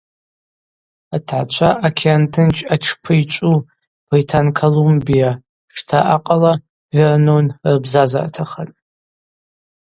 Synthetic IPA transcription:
atʰʕat͡ʃʷʰaʔakʰʲiantʰɨnt͡ʃʰʼaʈ͡ʂʰpʰɨjt͡ʃʷʼu | b̥ritʰankʰolumbija | ʂtʰaʔaqʼala | vɪrnonrɨbzaza̰tʰaχətʼ

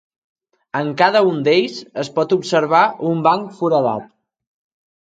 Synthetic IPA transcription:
əŋkaðəund̪eʎsəspɔt̪upsəɾβ̞aʔumbaŋkfuɾəða̰t̪

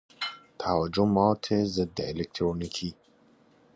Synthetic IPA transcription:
t̪ʰawad͡ʒʊmɑt̪ʰezəd̪ːəɪlek̚t̪ɾonikʰi

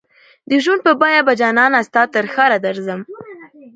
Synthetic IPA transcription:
d̪əʒwund̪̚pəbɑjabad͡ʒɑnɑnast̪ɑt̪əɾxɑɾad̪aɾzəm

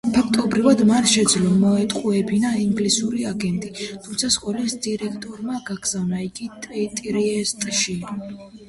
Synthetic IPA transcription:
pʰakʰt̪ʼɔbɾivad̪manʃɛd̪zlɔmɔɛt̪ʼqʼuɛbinaiŋɡlisuɾiaɡɛnt̪ʼit̪ʰumt̪sʰasqʼɔlɛsd̪iɾɛkʰt̪ʼɔɾmaɡaɡz̥avnaiɡit̪ʼit̪ʼɾiɛst̪ʼʃi

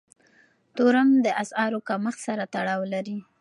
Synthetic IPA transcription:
t̪oɾamd̪əʔasɑɾokaməxsaɾat̪aɽɑwlaɾi

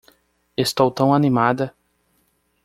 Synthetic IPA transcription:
est̪owt̪ɐ̃w̃animad̪ɐ

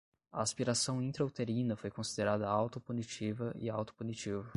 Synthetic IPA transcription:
ɐːspiɾasɐ̃w̃ĩnt̪ɾowt̪eɾĩnɐfojkõsid̪eɾad̪ɐawt̪ʊpunit͡ʃivɐʔɪ̰awt̪ʊ̥punit͡ʃivɐ

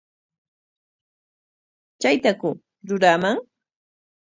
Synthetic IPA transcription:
t͡ʃajt̪akʊ | ɾʊɾamaŋ

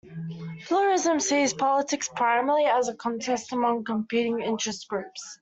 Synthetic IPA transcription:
pʰl̥uɹɪzə̃msiːz̥pʰɒlɪtʰɪkspʰɹ̥aɪməliəzəkʰɒ̃ntʰɛstəmʌ̃ŋkə̃mpʰiˑɾɪ̃ŋɪ̰̃nt͡ʃɹ̥ɛsɡ̥ɹʉˑps

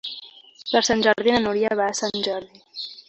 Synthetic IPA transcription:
pəɾsanʲʒəɾðinənuɾiaβaːsanʲʒɔɾði

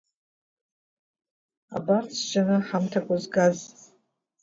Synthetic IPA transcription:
a̰bart͡sʰd͡ʒanɨħamtʰakʷʼazɡaz

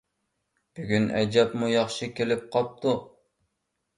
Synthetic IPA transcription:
b̥yɡʲynɛ̰jd͡ʒɑpmujɑχʃikʲelɪp̚qʰɑp̚t̪ʰu

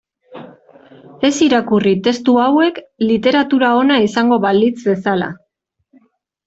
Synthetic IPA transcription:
e̞siɾakurit̪e̞st̪uawe̞klit̪e̞ɾat̪uɾao̞naisaŋɡo̞βald̪it͡sbe̞sala̰

